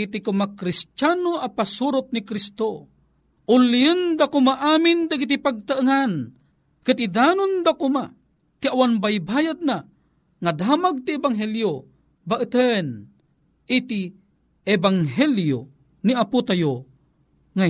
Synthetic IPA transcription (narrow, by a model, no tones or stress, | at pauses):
it̪ikʊmakɾist͡ʃanoʔɐpasuɾʊt̪̚nikɾist̪o | ʔʊlijɨnd̪akʊmaʔaːmɪnd̪aɡit̪̬ipaɡ̚t̪aʔɨŋan | kɨt̪id̪aːnʊnd̪akʊma | t̪iawanbajbaːjad̪̚na | ŋad̪aːmaɡ̚t̪iɛbaŋɦɛljo | baʔɨt̪ən | ʔɪt̪i | ɛbaŋɦɛljo̰ | niaput̪ajo | ŋa